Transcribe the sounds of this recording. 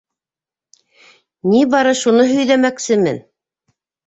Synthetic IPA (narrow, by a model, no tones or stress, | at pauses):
nibɑɾɤʃunɤɦɵ̆jlæmæksɘmɘ̰n